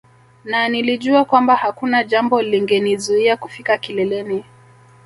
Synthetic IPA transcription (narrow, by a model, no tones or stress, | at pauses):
naniliʄuakwambahakunaʄambɔliŋɡɛnizuiakufikakilɛlɛni